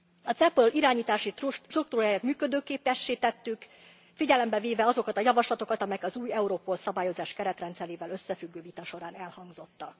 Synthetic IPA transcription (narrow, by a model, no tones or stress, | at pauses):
ɒt̪sɛpøliɾaːɲiːt̪aːʃiruk̚t̪uɾaːjaːt̪myːkø̞d̪øːkeːpɛʃːeːt̪ɛt̪ːyk | fiɟɛlɛmbɛveːvɛɒzo̞kɒt̪ɒjɒvɒʃlɒt̪o̞kɒt̪ɒmɛjɛkɒzuːjɛuɾoːpoːlsɒbaːjo̞zaːʃkɛɾɛt̪rɛnt̪sɛleːvɛlø̞sːɛfyɡːøːvit̪ɒʃo̞ɾaːnɛlhɒŋɡzo̞t̪ːɒ